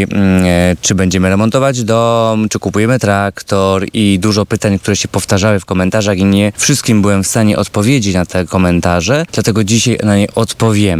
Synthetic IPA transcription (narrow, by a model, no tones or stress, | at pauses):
t͡ʂɘbɛɲd͡ʑɛmɘɾɛmɔnt̪ɔvad͡ʑd̪ɔmt͡ʂɘkupujɛmɘt̪ɾakt̪ɔɾid̪uʐɔpɘt̪aɲkt̪uɾɛɕɛpɔft̪aʐawɘfkɔmɛnt̪aʐaɣiɲɛfʂɨst̪̚kʲimbɘwɛmfst̪aɲɛʔɔt̪pɔvʲjed͡ʑet͡ɕnat̪ʰɛkɔmɛnt̪aʐɛd̪lat̪ɛɡɔd͡ʑiɕajnaɲɛʔɔt̪pɔvʲjɛm